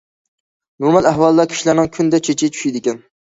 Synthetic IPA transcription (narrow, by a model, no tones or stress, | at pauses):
noɾmɑlˠæhwɑlˠd̪ɑkʲʰi̥ʃilæɾnɪŋkʲʰynd̪ɛt͡ʃʰet͡ʃʰit͡ʃʰy̥ʃid̪ɪkʲɛn